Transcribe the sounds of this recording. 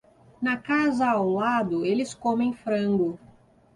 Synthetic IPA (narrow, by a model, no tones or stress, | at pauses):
nɐkazɐːwlad̪ʊelɪskõmẽj̃fɾɐ̃ŋɡʊ